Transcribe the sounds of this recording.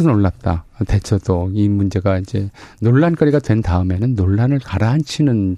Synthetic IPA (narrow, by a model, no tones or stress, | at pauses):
ɯnoɭːap̚t͈a̰te̞t͡ɕʰʌdoimund͡ʑe̞ɡaind͡ʑe̞noɭːank͈ʌɾiɡadwe̞ntaɯme̞nɯnːoɭːanɯɭkaɾaɦːnt͡ɕʰinɯn